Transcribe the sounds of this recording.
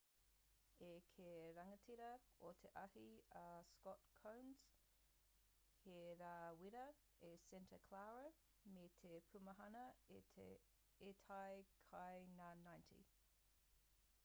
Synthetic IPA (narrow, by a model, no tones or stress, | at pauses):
ekʰeɾɐŋətʰiɾɐot̪ʰeʔɐhiɐskɔtkʰõwnz̥ | heɾaːwiɾə | esɛntʰəkʰlawɾə | met̪ʰepʰʉməɦɐnɐetʰe | etʰajkʰajnanːajntʰḭ